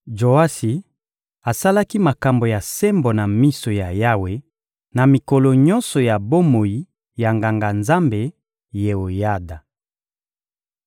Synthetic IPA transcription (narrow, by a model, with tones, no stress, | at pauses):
d͡ʒo˨a˦si˨ | a˨sa˦la˦ki˦ma˨ka˨mbo˨ja˨se˦mbo˨na˨mi˦so˨ja˨ja˦we˨ | na˨mi˨ko˨lo˨ɲɔ˦nsɔ˨ja˨bo˦mo˨ji˨ | ja˨ŋɡa˨ŋɡa˨nza˦mbe˨ | je˨o˨ja˦da˨